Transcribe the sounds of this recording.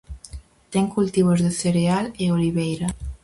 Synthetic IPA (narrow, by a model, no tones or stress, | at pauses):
t̪ɛŋkult̪iβ̞ozðeθeɾealeoliβejɾɐ